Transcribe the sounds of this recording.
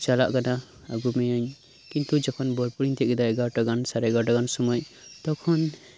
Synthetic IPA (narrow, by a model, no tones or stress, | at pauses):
t͡ʃalaʔkana | a̰ɡumɛjaɲ | kint̪ud͡ʒɔkʰɔnbɔɾpuɽint̪ʰɛʔɡɛd̪aɛɡaɾʈaɡansaɾɛɡaʈaɡansɔmɔjt̪ɔkʰɔn